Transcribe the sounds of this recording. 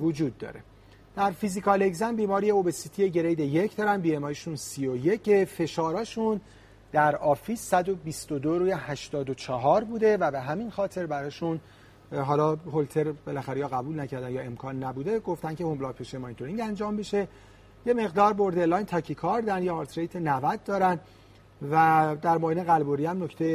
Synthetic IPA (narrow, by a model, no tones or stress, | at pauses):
vod͡ʒuːd̪̚ːɒ̰ɾe̞ | d̪̥æɾfizikʰɒle̞ɡzænbiːmɒːɾijeobesit̪ʰije̞ɟe̞ɾejd̪eje̞cʰd̪ɒːɾænd̪biːemɒːjiʃunsioje̞cʰːefe̞ʃɒːɾɒːʃun | d̪̥æɾɒːfiːsːæd̪o̞bist̪od̪oɾuːjehæʃt̪ɒːd̪o̞t͡ʃʰɒɦɒːɾbuːd̪e̞væbe̞ɦæminxɒːt̪ʰe̞ɾbæɾɒːʃun | ɦɒːlɒːɦolt̪ʰe̞ɾbe̞læxæɾejɒːɣæbuːlnæcʰæɾd̪ænjɒːe̞mkʰɒːnːæbuːd̪e̞ɡo̞ft̪ænce̞homblɒːpʰeʃemɒint̪ʰoɾiŋɟænd͡ʒɒːmbeʃe | je̞me̞ɣd̪ɒːɾbo̞ɾd̪e̞lːɒːjnt̪ʰɒːcʰikʰɒɾd̪ænd̪jehɒːɾt̪ʰɾejt̪ʰenævæd̪̚ːɒːɾænd̪ | væd̪æɾmɒːjineɣælboɾiæmnocʰt̪ʰej